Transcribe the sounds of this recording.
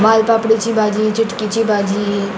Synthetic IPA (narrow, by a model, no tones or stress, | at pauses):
baːlpaːpɽit͡ʃibaːd͡ʒit͡ʃɪʈkit͡ʃibaːd͡ʒi